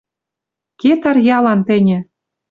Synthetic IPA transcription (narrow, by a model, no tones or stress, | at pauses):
ket̪ɑrjɑlɑnt̪ɘ̆nʲɘ̆